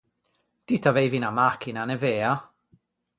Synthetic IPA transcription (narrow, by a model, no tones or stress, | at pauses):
d̥itʰavejvinamakʰɪnanɛveːa